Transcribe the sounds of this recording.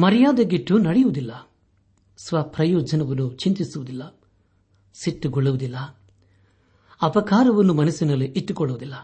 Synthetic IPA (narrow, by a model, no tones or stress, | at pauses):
mɐɾɐjaːd̪ɐɡiʈːunɐɽijuʋud̪ilːɐ | sʋɐpɾɐjɔːd͡ʒɐnɐʋɐnːut͡ʃint̪isuʋud̪ilːɐ | siʈːuɡuɭːuʋud̪ilːɐ | ɐpɐkaːɾɐʋɐnːumɐnɐsinɐlːeʔiʈːukɔɭːuʋud̪ilːɐ